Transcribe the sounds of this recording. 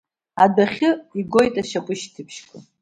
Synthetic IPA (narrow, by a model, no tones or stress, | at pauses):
adaχʲɨiɡo̞jtʼaʃakʷʼʊʃtʰɨpʰʃkʷʰʼa